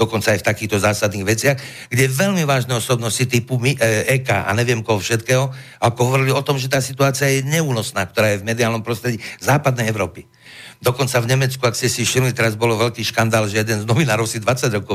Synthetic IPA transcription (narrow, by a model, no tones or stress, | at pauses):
d̪ɔkɔnt͡saːjft̪akiːxt̪ɔzaːsad̪niːɣʋɛt͡sɪaɣ | ɡɟɛɛʋɛʎmiʋaːʒnɛɔsɔbnɔscit̪ipumiʔɛːka̰ːʔa̰ɲɛʋɪɛmkɔɦɔfʃɛt̪kɛːɦɔ | alkɔɦɔʋɔɾiliɔt̪ɔmʒɛt̪aːsit̪uaːt͡sɪajɛɲɛuːnɔsnaːkt̪ɔɾaːjɛvmɛd̪iaːlnɔmpɾɔst̪ɾɛɟizaːpad̪̚nɛjɛʊɾɔːpi | d̪ɔkɔnt͡savɲɛmɛt͡skuakscɛsifʃimlit̪ɛɾazbɔlɔʋɛʎkiːʃkand̪aːlʒɛjɛd̪ɛnznɔʋinaːɾɔʊsid̪ʋat͡saɟɾɔkɔʊ